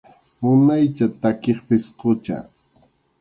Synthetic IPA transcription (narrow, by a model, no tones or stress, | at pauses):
mʊnajt͡ʃat̪akeχpɪsqʊt͡ʃa̰